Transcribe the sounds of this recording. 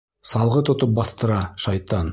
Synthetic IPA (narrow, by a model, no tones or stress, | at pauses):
sɑlˠʁɤt̪ŏt̪op̚bɑθt̪ɤ̆ɾɑʃɑjt̪ɑn